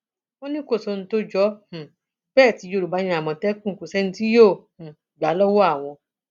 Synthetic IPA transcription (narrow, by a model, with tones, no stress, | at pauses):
wɔ̃˦nĩ˦ko˦˨so˨˧n̩˦to˦d͡ʒɔ˨˦h̩˨ | b̥ɛː˦˨ti˨˧˦jo˦˨ɾu˨ba˨˧˦ɲĩ˧˦a˨mɔ̃˨tɛ˦kũ˦˨ku˨sɛ˦n̩˦ti˦jo˦˨h̩˨ | ɡa˨˦lɔ˦wɔ˦a˦˨w̃ɔ̃˧